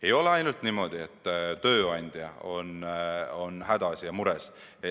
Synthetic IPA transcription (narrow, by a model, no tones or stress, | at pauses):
e̞jo̞leɑjnult̪nimo̞d̪̥iet̪ːˑt̪ø̞ːɑjnʲd̪̥jɑ̰o̞nonhæd̪̥ɑsjɑmuɾes